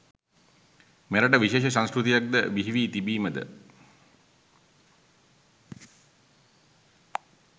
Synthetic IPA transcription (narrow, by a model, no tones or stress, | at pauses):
meɾəʈəʋiʃeːʃəs̬ãnskɾut̪ijak̚d̪əʋiɦiʋiːt̪ibiːməd̪ə̰